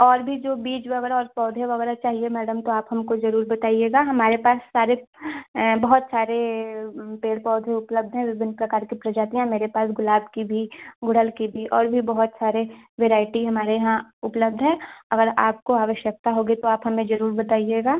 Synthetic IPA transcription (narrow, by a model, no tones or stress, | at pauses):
ɔːɾbʱid͡ʒoːbiːd͡ʒʋɐɣɛːɾaɔːɾpɔːd̪ʱẽʋɐɣɛːɾat͡ʃaːɦiemɛːɖəmt̪oaːpɦɐmkozɐɾuːɾbɐt̪aːieːɡaːɦɐmaːɾepaːsːaːɾe | bɐɦʊt̪saːɾe | peːɽpɔːd̪ʱeʊpləb̚d̪ʱɦɛ̃ʋɪʋɪnpɾɐkaːɾkipɾɐd͡ʒaːt̪ijãmeːɾepaːs̬ɡʊlaːbkibʱiɡʊɽ̤əlkibʱiʔɔːɾbʱibɐɦʊt̪saːɾeʋeːɾaːɪʈiɦɐmaːɾeɦãʊpləb̚d̪ʱɦɛ̃ːɐɡəɾaːp̚koaːʋəʃjək̚t̪aɦoːɡit̪oaːpɦɐmẽd͡ʒɐɾuːɾbɐt̪aːieːɡaː